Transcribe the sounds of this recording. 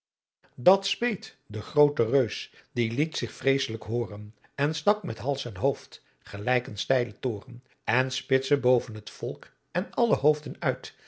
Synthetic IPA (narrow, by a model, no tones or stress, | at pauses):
dɑtspejt | dəχrowtərøɥsd̥ilitsɪχfrejsələkɦʊːrən | ɛnstɑkmɛtɦɑlˠsɛnɦowft | χəlɛjkənstɛjlətoːrən | ɛnspɪtsəbowvənɦətfɔlˠk | ɛnɑləɦowfdənœɥt